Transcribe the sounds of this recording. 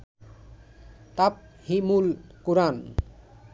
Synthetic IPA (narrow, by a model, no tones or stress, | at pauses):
t̪ap̚ | himulkuɾan